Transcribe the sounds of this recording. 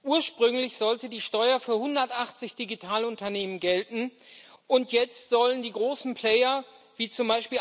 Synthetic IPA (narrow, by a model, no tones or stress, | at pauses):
ʔuːɐʃpʁ̥ʏŋlɪçz̥ɔltədiːʃtɔʏɐfyːɐhʊndɐtʔaχt͡sɪçd̥iɡitʰaːlʊntɐneːmənɡɛltn̩ | ʔʊntʰjɛt͡stz̥ɔləndiːɡʁoːsn̩pl̥ɛɪɐ | viːt͡sʊmbaɪʃpiː